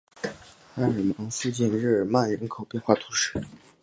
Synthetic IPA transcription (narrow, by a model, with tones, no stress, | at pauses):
xa˧˥nə˨˩mɑ˧˥ŋsu˥˧t͡ɕi˥˧nɻɻ̩˥˩ə˨˩ma˥˩nɻə˧˥nkʰo˨˩ʊpjɛ˥˧nxwa˥˩t̪ʰu˧˥ʂɻ̩˥˩